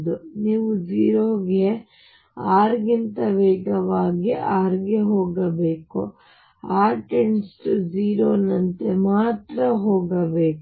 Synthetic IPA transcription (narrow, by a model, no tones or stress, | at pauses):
d̪uniːʋud͡ʒiːɾoːɡe | aːɾɡint̪ɐʋɛːɡɐʋaːɡiʔaːɾɡeɦoːɡɐbeːkṵ | aːʈeɳsʈd͡ʒiːɾoːnɐnt̪emaːt̪ɾɐɦoːɡɐbeːk